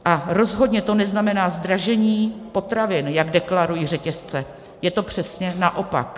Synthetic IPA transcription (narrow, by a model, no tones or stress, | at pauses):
ʔaɾo̞zɦo̞dɲɛt̪o̞nɛznamɛnaːzd̪ɾaʒɛɲiːpo̞t̪ɾavɪnjaɡdɛklaɾujir̝ɛcɛst͡sɛ | jɛt̪o̞pr̝̥ɛsɲɛnaʔo̞pa̰k